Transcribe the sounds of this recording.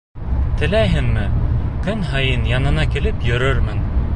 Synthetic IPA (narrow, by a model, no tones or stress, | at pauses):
t̪ɘ̆læjɦɘŋmɘkɵnɦɑjɤnjɑnɤ̆nɑkilɘpjɵ̆ɾɵɾmɘn